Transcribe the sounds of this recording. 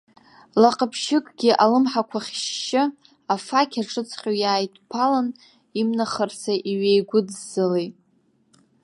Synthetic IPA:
laqʼəpʰʃɪkʼɡʲiʔalɨmħakʷʰaχʲʃːɪ | afakʲʰaʈ͡ʂʼɨt͡sʰχʲojaːjtʰʼpʰalan | imnaχərsʰaʔiɥejɡʷʊdːɨlejtʼ

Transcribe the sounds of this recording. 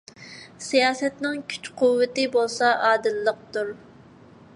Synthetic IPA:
sijɑːsɛt̪nɪŋkʲʰy̥t͡ʃqʰʊwːɪt̪ɪbolˠsɑʔɑːd̪ɨlːəq̚t̪uɾ

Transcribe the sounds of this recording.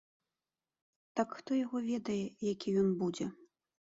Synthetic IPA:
t̪akxt̪ɔjaɣɔvʲɛd̪ɐjɛjakʲijɔnbud͡zʲɛ

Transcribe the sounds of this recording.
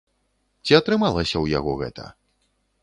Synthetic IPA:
t͡sʲiɐt̪ɾɨmalˠɐsʲɐwja̰ɣɔɣɛ̰t̪ʰɐ̰

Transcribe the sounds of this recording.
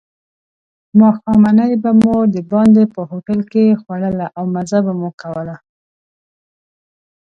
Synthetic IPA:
mɑxɑmanajbamod̪əbɑnd̪epəhoʈalkexwaɽəlaʔawmazabamukawəla

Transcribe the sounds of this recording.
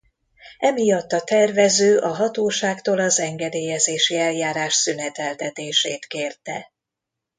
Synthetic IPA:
ɛmijɒt̪ːɒt̪ɛrvɛzøːʔɒɦɒt̪oːʃaːkt̪oːlɒzɛŋɡɛd̪eːjɛzeːʃiɛljaːɾaːʃsynɛt̪ɛlt̪ɛt̪eːʃeːt̪keːrt̪ɛ

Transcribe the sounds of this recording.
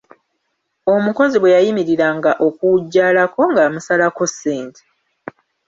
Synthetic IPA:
o̞muko̞ziβwe̞jajimiɾiɾaŋɡaʔo̞kuɟːaːlako̞ŋɡamusalako̞se̞ːntʰe̥

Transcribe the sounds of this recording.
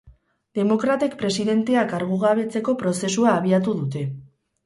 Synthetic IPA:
d̪e̞mo̞kɾat̪ekpɾe̞siðe̞nt̪e̞akaɾɣ̞uɣ̞aβ̞e̞t͡se̞ko̞pɾo̞se̞suaːβ̞iat̪̬uðut̪e̞

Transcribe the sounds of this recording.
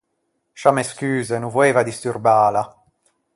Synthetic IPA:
ʃameskyːzenuvoeːvad̪ist̪urbaːla

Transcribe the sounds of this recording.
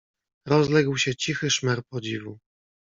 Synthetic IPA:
ɾɔzlɛɡwɕɛt͡ɕixɘʂmɛɾpɔd͡ʑivu

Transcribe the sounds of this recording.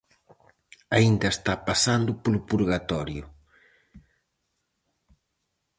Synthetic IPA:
aind̪ɐest̪apasand̪ʊpolʊpuɾɣat̪ɔɾjʊ

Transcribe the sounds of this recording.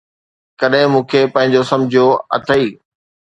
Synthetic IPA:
kɐɗɦɪ̃mũːkʰepɐ̃ɦɪ̃ɲd͡ʑosɐ̃md͡ʑʱijoɐ̰t̪ʰəiː

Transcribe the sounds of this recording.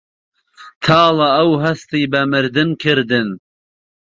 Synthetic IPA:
t̪ʰɑːlaɐwɦɐst̪iːbɐmɨɾd̪ɨnkʰɪɾd̪ɨn

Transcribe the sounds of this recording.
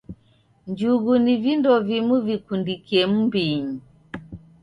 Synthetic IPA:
ɲd͡ʒuɣunivindɔvimuvikundikiɛm̩mbiɲi

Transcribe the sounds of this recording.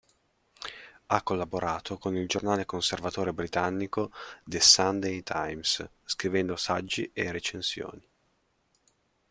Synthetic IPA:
akːolːaboɾaːt̪ʰokonild͡ʒornaːlekonservat̪oːɾebɾit̪anːikod̪esand̪ejt̪ʰajms | skɾivɛnd̪osad͡ʒːiʔeret͡ʃensjo̰ːni

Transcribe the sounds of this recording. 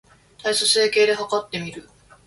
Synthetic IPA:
t̪aisose̞ːke̞ːd̪e̞ɦakat̪ːe̞mʲiɾɯ̟

